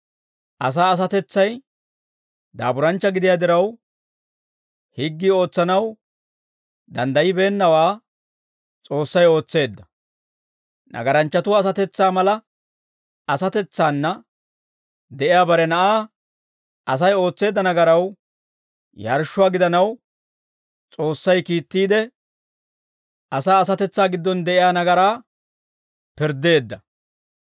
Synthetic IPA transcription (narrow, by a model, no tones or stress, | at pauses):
ʔɐs̬aːɐs̬ɐt̪ɛt͡sːɐj | d̪a̰ːbʊɾɐnt͡ʃːɐɡɪd̪ɪjaːd̪ɪɾɐw | hɪɡːio̞ːt͡sːɐnɐw | d̪ɐnd̪ɐjɪbe̞ːnːɐwaː | t͡sʼo̞ːsːɐjo̞ːt͡sːe̞ːd̪ːɐ̥ | nʔɐ̰ɡɐɾɐnt͡ʃːɐt̪ʊaːs̬ɐt̪ɛt͡sːaːmɐlɐ | ɐsɐt̪ɛt͡sːaːnːɐ | d̪ɛʔɪjaːbɐɾɛnɐʔaː | ʔɐs̬ɐjo̞ːt͡sːe̞ːd̪ːɐnɐɡɐɾɐw | jɐ̰ɾʃːʊaːɡɪd̪ɐnɐw | t͡sʼo̞ːsːɐjkiːt̪ːiːd̪ɛ | ɐsaːs̬ɐt̪ɛt͡sːaːɡɪd̪ːɔnd̪ɛʔɪjaːnɐɡɐɾaː | pɪɾd̪e̞ːd̪ːɐ